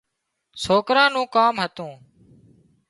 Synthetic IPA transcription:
soːkɾãːnũːkaːmɦət̪ũː

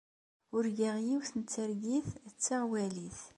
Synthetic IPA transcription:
ʊɾɡiʁjiwθənt͡sːəɾɡiθt͡sːaʁwæliθ

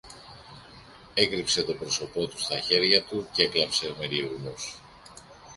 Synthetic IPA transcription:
e̞kɾipse̞t̪o̞pɾo̞so̞po̞t̪u̥st̪ɐçe̞ɾʝɐt̪uceeklɐpse̞meɾieɣnos

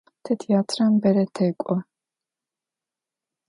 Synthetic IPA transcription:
t̪ʰɛt̪ʰiat̪ʰɾambɛɾɛt̪ʰɛkʷʼɔ

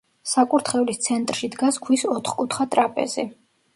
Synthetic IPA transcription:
sakʼuɾt̪ʰχɛlist̪sʰɛnt̪ʼɾʃid̪ɡaskʰwisɔt̪ʰχkʼut̪ʰχat̪ʼɾapʼɛ̰zḭ

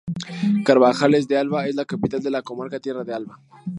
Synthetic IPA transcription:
kaɾbaxales̬d̪ealbaeslakapit̪ald̪elakomaɾkat̪jerad̪ealba

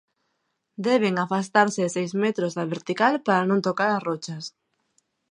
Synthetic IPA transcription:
d̪ɛβ̞eŋafast̪aɾsɪsejzmet̪ɾozðaβeɾt̪ikalpaɾanõŋt̪okaɾasrot͡ʃas

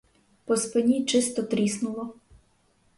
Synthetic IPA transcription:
pɔspɪnʲit͡ʃɪst̪ɔt̪ɾʲisnʊlˠɔ

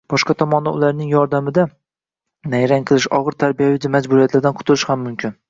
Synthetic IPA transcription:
b̥ɒʃqɑt̪ʰɒmɒnd̪aʊlaɾnɪŋjɒɾd̪amɪd̪a | najɾaŋqʰɨlˠɪʃɒʁɨɾt̪ʰaɾbijavɪd͡ʒ̪amad͡ʒbʊɾijat̪laɾd̪anqʰt̪ʰʊlˠɪʃhamːʊmkʲʰɪn

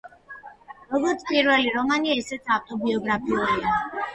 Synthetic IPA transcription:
ɾɔɡɔɾt̪sʰpʼiɾvɛliɾɔmaniɛsɛt̪sʰaft̪ʼɔbiɔɡɾapʰiulia

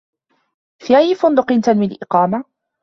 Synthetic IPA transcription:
fiajifʊnd̪ʊqɪnt̪anmɪlʔɪqɑːma

